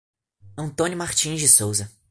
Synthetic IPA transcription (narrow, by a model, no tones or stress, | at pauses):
ɐ̃nt̪õnjʊmaɾt͡ʃĩzd͡ʒɪsowzɐ